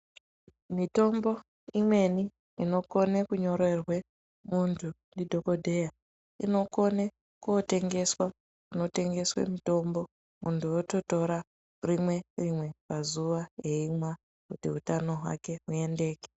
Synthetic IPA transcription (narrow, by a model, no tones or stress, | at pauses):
mito̞mbo̞ | imwe̞ni | ino̞ko̞nekuɲo̞ɾe̞rwe̞ | muntʰu | ndidʱo̞ko̞dʱe̞ja | ino̞ko̞ne | kuote̞ŋɡe̞swa | kuno̞te̞ŋɡe̞swḛmito̞mbo̞ | muntuoto̞to̞ɾa | rimwe̞rimwe̞pazuʋaje̞imwa | kutḭɦutano̞ɦwa̰ke̞ue̞nde̞ːke̥